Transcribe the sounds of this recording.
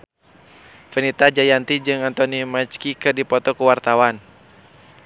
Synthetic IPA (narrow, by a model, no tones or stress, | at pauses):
fənit̪ad͡ʒajant̪id͡ʒɨŋant̪ɔnimat͡ʃkikɨrdipɔt̪ɔkuwart̪awan